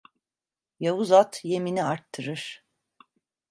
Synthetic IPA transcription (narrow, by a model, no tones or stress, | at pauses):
javuzat̪je̞miniaɾt̪ʰːɯɾɯɾ̥